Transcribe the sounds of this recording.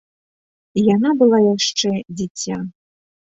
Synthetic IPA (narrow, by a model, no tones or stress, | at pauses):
ijanabɨlˠajaʂt͡ʂɛd͡zʲit͡sʲːa̰